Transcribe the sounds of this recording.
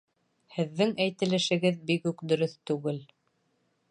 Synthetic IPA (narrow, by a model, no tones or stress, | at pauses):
hɘ̆ðːɘŋæjt̪ɘ̆lɘ̆ʃɘ̆ɡɘðbikʉkd̪ɵ̆ɾɵθt̪ʉɡɘl